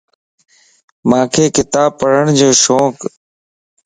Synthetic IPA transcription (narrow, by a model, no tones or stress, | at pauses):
mãːkʰeːkɪt̪aːb̚pːəɽəɳ̃d͡ʑoːʃoːk